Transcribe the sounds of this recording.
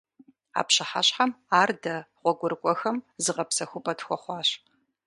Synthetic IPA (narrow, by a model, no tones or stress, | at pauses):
a̰ːpɕɐħaɕħamaːrdɐʁʷɔɡʷʊrkʷʼɔxɐmzɨʁɐpsɐxʷʊpʼɐtxʷɔχʷɑːɕ